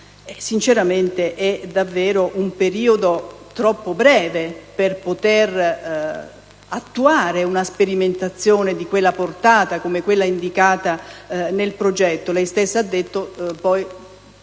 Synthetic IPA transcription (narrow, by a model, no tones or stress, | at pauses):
ɛsint͡ʃeɾament̪eʔɛd̪avːɛːɾoʔumpeɾiːod̪ot̪ɾɔpːobɾɛːveperpot̪er | at̪ːuaːɾeunaspeɾiment̪at̪sːjoːned̪ikwelːaport̪aːt̪akomekwelːaind̪ikaːt̪anelpɾod͡ʒɛt̪ːolɛjst̪esːaad̪ːet̪ːopɔj